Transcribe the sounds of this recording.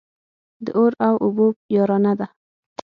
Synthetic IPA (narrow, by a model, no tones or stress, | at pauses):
d̪əʔoɾawʔʊbojɑɾɑnad̪a